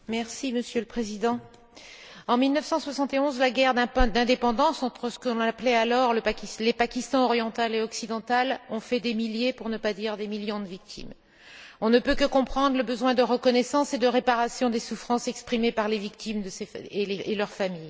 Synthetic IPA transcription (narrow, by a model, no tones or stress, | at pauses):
mɛʁsiməsjøləpχezid̪ɑ̃ | ɑ̃milnəfsɑ̃swasɑ̃t̪eɔ̃zlaɡɛʁd̪ɛ̃d̪ɛ̃d̪epɑ̃d̪ɑ̃sɑ̃t̪χəsə̥kəlɔ̃naplɛalɔʁləaklepakʲist̪ɑ̃ɔʁjɑ̃t̪aleɔksid̪ɑ̃t̪alɔ̃fɛd̪emiljepuʁnəpad̪iʁd̪emiljɔ̃d̪əvik̚t̪ʰḭm | ɔ̃nəpøkəkɔ̃pχɑ̃d̪ʁləbəzwɛ̃d̪əʁəkɔnɛsɑ̃sed̪əʁepaʁasjɔ̃d̪esufχɑ̃sɛkspχimepaʁlevik̚t̪imd̪əseeelœʁfamij